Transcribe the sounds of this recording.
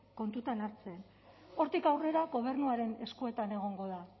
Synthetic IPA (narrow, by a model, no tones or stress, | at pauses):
ko̞nt̪ut̪anaɾt͡se̞n | o̞ɾt̪ikawre̞ɾaɣo̞β̞e̞ɾrnuaɾe̞ne̞skue̞t̪ane̞ɣ̞o̞ŋɡo̞ða